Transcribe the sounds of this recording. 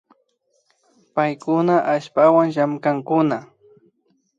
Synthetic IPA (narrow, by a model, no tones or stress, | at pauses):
pajkʊnaʔaʃpawaŋʃamkaŋkʊna